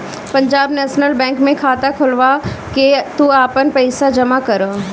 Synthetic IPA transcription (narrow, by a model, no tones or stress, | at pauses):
pɐ̃ɲd͡ʒaːbnɛːʃnəlbɛ̃ːŋkmẽkʰaːt̪akʰʊlʋaket̪uaːpənpɛɪsad͡ʒɐmakɐɾo